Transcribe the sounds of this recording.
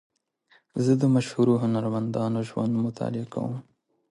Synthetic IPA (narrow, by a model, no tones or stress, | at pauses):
zəd̪əmaʃhuɾuɦʊnaɾmand̪ɑːnoʒwa̰nd̪mʊt̪ʰɑ̰ːlɪaka̰wum